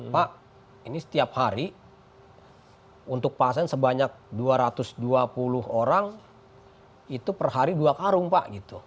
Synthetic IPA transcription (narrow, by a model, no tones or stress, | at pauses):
paʔ | inisə̥t̪iaphaɾi | unt̪ʊk̚pasɛnsəbaɲak̚duaɾat̪ʊsduapulʊhoɾaŋ | it̪upərhaɾiduakaɾʊŋpaʔɡit̪u